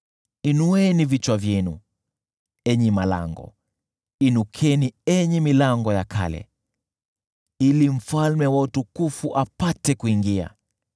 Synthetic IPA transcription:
inuɛnivit͡ʃwavjɛnṵ | ɛɲɛmala̰ŋɡɔ̰ | inukʰɛniɛɲɛmilaŋɡɔjakʰa̰lɛ̰ | ilim̩falmɛwautukufuʔapatɛkuiŋɡia̰

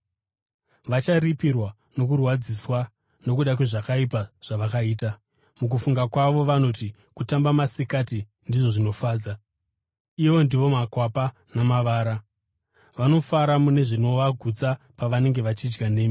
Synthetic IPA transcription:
ʋat͡ʃaripirwa | no̞kurwad͡ziswa | no̞k̬uɗakwe̞ʐakaipaʐ̥aʋakaiːta | muk̬ufuŋɡakwaʋo̞ʋano̞ti | kutambamasikati | ndiʐo̞ʐino̞faːd͡za | iʋo̞ndiʋo̞makwapa | namaʋaːɾa | ʋano̞faɾamune̞ʐino̞ʋaɡʱut͡sa | paʋane̞ŋɡe̞ʋat͡ʃid͡ʒɡane̞ːmi

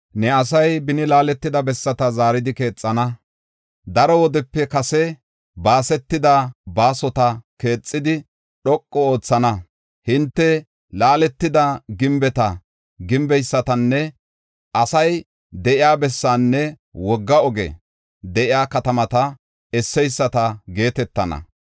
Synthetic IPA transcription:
nɛɐs̬ɐjbɪnɪlaːlɛt̪ːɪd̪ɐbɛsːɐt̪ɐzaːɾɪd̪ɪke̞ːt͡sʼːɐnɐ | d̪ɐɾɔwɔd̪ɛpːɛkɐsɛ | baːsɛt̪ːɪd̪ɐbaːsɔt̪ɐke̞ːt͡sʼːɪd̪ɪ | ɗɔkʼːɔo̞ːt͡sːɐnɐ | hɪnt̪ːɛ | laːlɛt̪ːɪd̪ɐɡɪmbɛt̪ɐ | ɡɪmbɛjsːɐt̪ɐnːɛ | ʔɐsɐj | d̪ɛʔɪjaːbɛsːaːnːɛ | wɔɡːɐɔɡɛ̰ | d̪ɛʔɪjaːkɐt̪ɐmɐt̪ɐ | ɛsːɛjsːɐt̪ɐɡe̞ːt̪ɛt̪ːɐnɐ̰

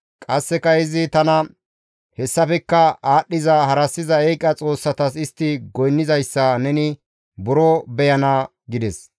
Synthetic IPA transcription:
kʼɐsːɛkɐɪzɪt̪ɐnɐ | hɛsːɐfɛkːɐaːɗːɪzɐhɐɾɐsːɪzɐɛjkʼɐt͡sʼo̞ːsːɐt̪ɐsɪst̪ːɪɡɔjnːɪzɐjsːɐnɛnɪ | bʊɾɔbɛjɐnɐ | ɡɪd̪ɛs

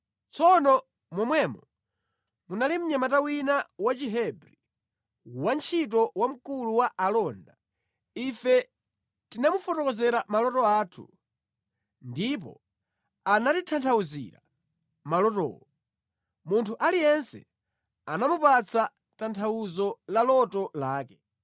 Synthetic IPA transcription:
t͡sʰɔnɔ | mɔmwɛmɔ | munalim̩ɲamatawinawat͡ʃiɦɛbɾi | want͡ʃʰit̬ɔwam̩kuluwaʔalɔnda | ifɛ | tinamufɔtɔkɔzɛɾamalɔtɔaːtʰṵ | ndip̬ɔ̰ | anatitʰantʰauzḭɾa̰ | malɔtɔ̰ːɔ | muntʰuʔalijɛnsɛ̰ | anamupat͡sʰa | tantʰawuzɔlalɔtɔlaːkɛ

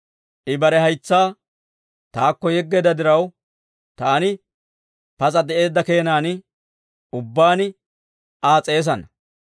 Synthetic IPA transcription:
ʔɪbɐɾɛɦɐjt͡sːaː | t̪aːkːɔjɛɡːed̪ɐd̪ɪɾɐw | t̪aːnɪ | pɐt͡sʼɐd̪ɛʔe̞ːd̪ːɐke̞ːnaːnɪ | ʊbːaːnɪ | ʔaːt͡sʼe̞ːs̬ɐnɐ

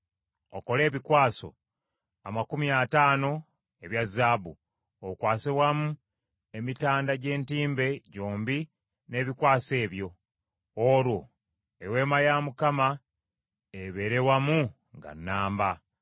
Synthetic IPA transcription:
o̰ko̞le̞ːβikwaːso̞̰ | amakumiataːno̞ | e̞βjazːaːbṵ | okwaːseβwamu | emitaːndaɟe̞ːntiːmbe̞ɟo̞ːmbi | ne̞ːβikwaːse̞ːβjo̞ | oɾwo | ewe̞ːmajamukama | eβe̞ɾe̞wamu | ŋɡa̰nːaːmba

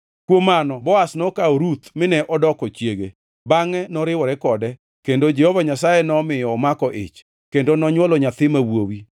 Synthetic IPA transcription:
kwomanɔbɔasnɔkaoɾut̪mɪnɛʔɔdɔkɔt͡ʃjeɡḛ | baŋɛnɔɾɪwɔɾɛkɔdɛ | kendod͡ʒɛhovaɲasajɛnɔmɪjɔmakɔʔɪ̰t͡ʃ | kendonɔɲwɔlɔɲat̪ɪmawwowi

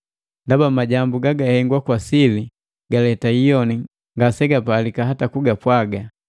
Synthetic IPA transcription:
ndabamaɟambuɡaɡahɛŋɡwakwasili | ɡalɛtaijɔni | ŋɡasɛɡapalikaɦatakuɡapwaɡa

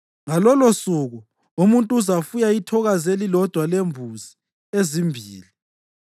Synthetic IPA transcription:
ŋalɔlosuɣu | umuntʼuzafujaitʰɔɣazelilɔd̥ʱwalembʱuzi | ezimbʱiːli

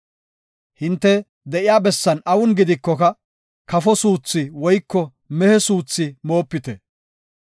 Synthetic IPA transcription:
hɪnt̪ːɛ | d̪ɛʔɪjaːbɛsːɐnɐwʊnɡɪd̪ɪkːɔkɐ | kɐfɔsuːt͡sːɪwɔjkːɔ | mɛhɛsuːt͡sːɪmo̞ːpːɪt̪ɛ

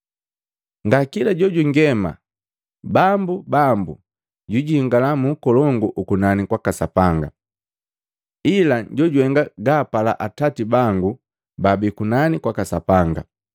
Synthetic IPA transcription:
ŋɡakilaɟɔɟuŋɡɛma̰ | bambubambu | ɟuɟiŋɡalamuːkɔlɔŋɡuʔukunanikwakasapaŋɡa̰ | ilaɟɔɟwɛŋɡaɡaːpala̰ʔatatibaŋɡu | babikunanikwakasapaŋɡa̰

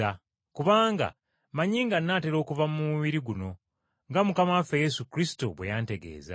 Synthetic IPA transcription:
a | kuβaːŋɡa̰ | maɲiːŋɡanːateɾo̞ːkuvamumuβiɾiɡuno̞ | ŋɡamukamafeje̞sukɾisi̥toβwe̞̰jaːnte̞ɡe̞̰ːza̰

